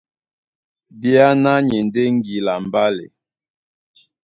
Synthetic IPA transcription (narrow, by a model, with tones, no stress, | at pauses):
bja˦na˦ɲɛ˨nde˦ŋ˦ɡi˨la˨m˨ba˦lḛ˨